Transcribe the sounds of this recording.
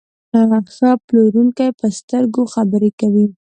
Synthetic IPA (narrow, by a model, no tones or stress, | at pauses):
aɣaxaploɾuŋkajpəst̪əɾɡoxabəɾekawi